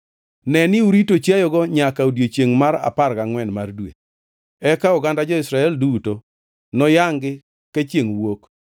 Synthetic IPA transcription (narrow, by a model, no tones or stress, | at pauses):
nɛnɪuɾitot͡ʃajɔɡɔɲakaodjet͡ʃjeŋmaɾa̰parkaŋwɛnmardwḛ | ɛkaɔɡandad͡ʒɔɪsɾaɛlduto | nɔjaŋɡɪ | kat͡ʃjeŋwok